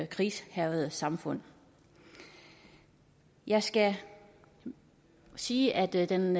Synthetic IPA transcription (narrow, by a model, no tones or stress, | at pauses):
kʰʁiːshæʊð̩ˠsɑ̈mfɔ̽n̰ | jɑ̈ɪsɡ̥æ | siːʔæd̥d̥en